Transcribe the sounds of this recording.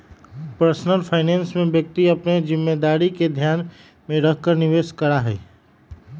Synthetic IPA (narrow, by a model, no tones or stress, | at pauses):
pəɾsnəlpʰaːɪneːnsmẽbjək̚t̪iɐpned͡ʒɪmːed̪aːɾiked̪ʱjaːn | mẽɾəɦkəɾnɪʋeːskəɾaɦɛː